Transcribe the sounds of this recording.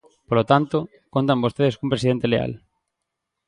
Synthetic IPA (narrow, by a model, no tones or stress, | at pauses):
polot̪ant̪o | kont̪̬ambost̪eð̞eskumpɾesiðent̪elea̰l